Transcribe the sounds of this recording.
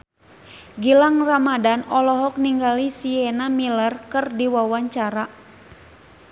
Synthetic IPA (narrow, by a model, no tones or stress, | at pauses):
ɡilaŋramadanɔlɔɦɔk̚niŋɡalisiɛnamilərkɨrdiwawaɲt͡ʃaɾa